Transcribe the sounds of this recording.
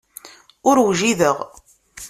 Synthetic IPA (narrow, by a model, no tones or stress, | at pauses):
ʊɾwʒiðəʁ